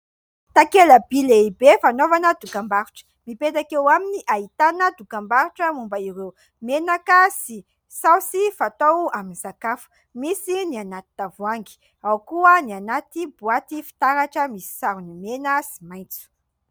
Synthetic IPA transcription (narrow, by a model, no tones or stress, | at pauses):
t̪akeləbileibefanovanəd̪ukambaɾuʈ͡ʂə̥mipet̪akewaminiʔaɦit̪anəd̪ukambaɾuʈ͡ʂəmumbəiɾew | menakasi | sawsifat̪owaminzakafu̥ | misinianat̪i̥t̪avuaŋɡi̥ | awkuənianat̪ibuat̪ifi̥t̪aɾaʈ͡ʂəmisi̥saɾunumenəsi̥majnt͡su̥